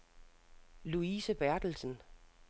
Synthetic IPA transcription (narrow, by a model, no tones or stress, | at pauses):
luiːsəb̥æɐd̥l̩sən